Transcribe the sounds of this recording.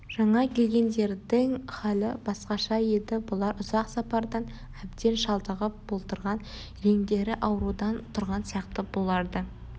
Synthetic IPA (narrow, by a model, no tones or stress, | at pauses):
ʒ̥ɑɴɑkʲʰe̞lɡʲe̞nd̪e̞ɾd̪ɪŋχɑlɪbɑsqɑʃɑje̞d̪ɪbʊlˠɑɾʊzɑqsɑpɑɾd̪ɑn | æb̚d̪e̞nʃɑlˠd̪əʁəp̚b̥o̞lˠt̪əɾʁɑn | ɾe̞ŋd̪e̞ɾɪʔɑwɾud̪ɑnt̪ʰʊɾʁɑnsijɑqt̪əbo̞lˠɑɾd̪ə